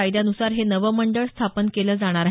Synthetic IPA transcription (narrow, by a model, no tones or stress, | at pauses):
ajd̪janusaɾɦenəʋəməɳɖəɭst̪ʰapənkeləːd͡zaɽ̃aɾaɦ